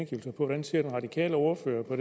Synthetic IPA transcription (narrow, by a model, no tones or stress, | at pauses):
nɡ̥ḭːʊl̩sɐpʰɒ̽ʋɒɾ̥ænsiɐd̥enʁɑ̈d̥ikʰɛ̰ːləo̝ːɐfø̰ːɐpʰɒ̽ɾ